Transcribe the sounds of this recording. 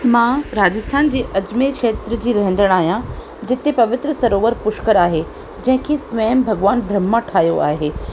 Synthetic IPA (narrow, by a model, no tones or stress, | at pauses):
mãɾaːd͡ʑəst̪ʰaːnd͡ʑeːʔɐd͡ʑmeːkʃeːt̪ɾəd͡ʑiːɾɐɦə̃nd̪əɽ̃aːɦijã | d͡ʑɪt̪epɐʋɪt̪ɾəsɐɾoːʋəɾpʊʃkəɾaːɦe | d͡ʑɐ̃ɦɪ̃kʰeːsʋɐjəmbʱɐɡʋaːnbʱɾɐmːaʈʰaːɦjoʔaːɦeː